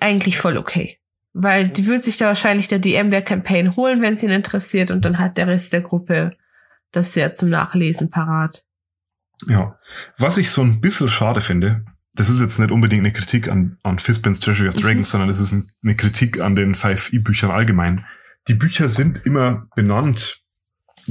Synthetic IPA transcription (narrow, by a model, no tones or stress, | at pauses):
ʔaɪɡŋ̩tlɪçfɔlo̰kʰḛː | vaɪldiːvʏɐdəz̥ɪçd̥aːvaːɐʃaɪnlɪçd̥eːɐdeʔɛmdeːɐkʰɛmpʰeɪnhoːlənvɛnsiːnɪntəʁɛsiːɐtʊnt̚d̥anɦat̚d̥eːɐʁɛstd̥eːɐɡʁʊpə | d̥asz̥eːɐt͡sʊmna̰ːχleːzn̩pʰaʁaːt | jaːvasɪçz̥oːnbɪsl̩ʃaːdəfɪndə | d̥as̬ɪstjɛt͡stnɪçtʔʊnbədɪŋktnəkʁ̥itʰiːka̰nʔanfɪspɛnstʰʁ̥ɛʒəɹiaʊfd̥ʁɛɡŋ̩sz̥ɔndɐnɛs̬ɪsnnəkʁ̥itʰiːkʰa̰ndeːnfaɪfʔiːbyːçɐnʔa̰lɡəmaɪn | d̥iːbyːçɐzɪntʔɪmɐb̥ənant